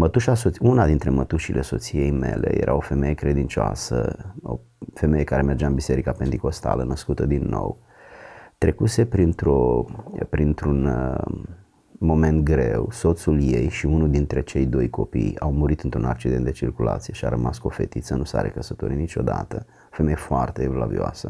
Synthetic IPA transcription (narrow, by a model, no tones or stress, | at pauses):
mət̪uʃasounad̪int̪ɾe̞mət̪uʃilʔe̞so̞t̪sije̞jme̞̰le̞̰jḛɾʔa̰o̞fe̞me̞jekɾe̞d̪int͡ʃoa̰sə̰o̰ | fe̞mejekaɾe̞me̞rd͡ʒaɨnbise̞ɾikapent̪iko̞st̪a̰lənəskut̪əd̪inːo̞̰w | t̪ɾe̞kuse̞pɾint̪ɾopɾint̪ɾun | mo̞me̞nt̪̚ɡɾe̞̰wso̞t̪sulje̞jʃiunuld̪int̪ɾe̞t͡ʃe̞jd̪o̞jko̞pḭjawmuɾit̪ɨnt̪ɾunak̚t͡ʃid̪ent̪d̪et͡ʃirkulʔa̰t̪sije̞ʃia̰ɾəmaskofe̞t̪it̪sənusa̰ɾḛkəsət̪oɾinit͡ʃo̞d̪at̪ə | ofemejefoart̪eːvlavḭoa̰sə